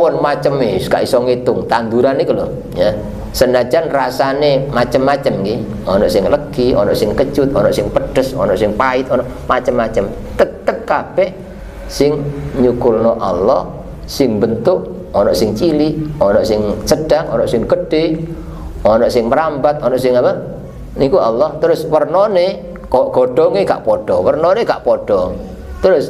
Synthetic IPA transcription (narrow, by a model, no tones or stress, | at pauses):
wɔnmat͡ʃəmeska̰ʔisɔŋet̪ʊŋt̪and̪uɾanekəlo | ja | sənad͡ʒanrasanemat͡ʃəmːat͡ʃəmki | ɔnɔʔsɪŋləɡ̥iɔ̰nɔʔsɪŋkə̥t͡ʃʊt̪̚ɔnɔʔsɪŋpəɖ̥əsɔnɔʔsɪŋpaɪt̪̚ɔnɔʔmat͡ʃəmːat͡ʃəm | t̪ət̪ːəp̚kab̥ɛʔ | sɪŋɲukʊlnɔʔa̰lːɔh | sɪŋbənt̪ʊʔ | ɔnɔʔsɪŋt͡ʃiliʔɔnɔʔsɪŋsəɖ̥aŋɔ̰nɔʔsɪŋɡəɖ̥e | ɔnɔʔsɪŋməɾambat̪̚ɔnɔʔsɪŋapa | nikuʔalːɔht̪əɾʊswərnɔne | kɔɡ̥ɔɖ̥ɔŋeɡa̰ʔpɔɖ̥ɔwərnɔneɡa̰ʔpɔɖ̥ɔŋ | t̪əɾʊs